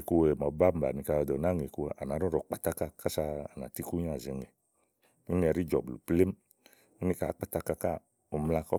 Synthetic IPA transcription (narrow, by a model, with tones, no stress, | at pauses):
ku˧we˨mɔ˨˦ba˦m̩˨ba̰˨ni˧ka˧ɔ˧dɔ˨na˦ŋe˨ku˧a˨ʔa˨na˨˦ɾɔ˦ɾɔ˨k͡pa˨ta˦ka˧ka˦sa˧a˨na̰˨ti˦ku˦ɲ˦a˨ze˨ŋe˨ | i˦ŋ˦˧ɛ˧˨ɾi˦d͡ʒɔ̰˨blṵ˨ple˦m˦ | i˦nĩ˦ka̰˨˦k͡pa˦ta˦ka˧ka˦˨ | o˨m˧la˧kɔ˦